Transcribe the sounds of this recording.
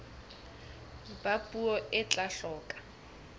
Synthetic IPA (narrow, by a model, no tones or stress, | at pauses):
bapʼuɔʔɪt͡ɬʼaɬɔːkʼḁ